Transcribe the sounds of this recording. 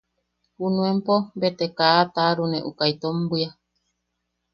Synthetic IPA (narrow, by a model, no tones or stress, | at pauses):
hunũempombet̪ekaːt̪aɾunẽʔukait̪ombija